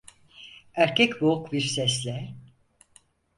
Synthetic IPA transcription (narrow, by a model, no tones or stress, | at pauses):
æɾcʰɛcbokbiɾsɛslʲɛ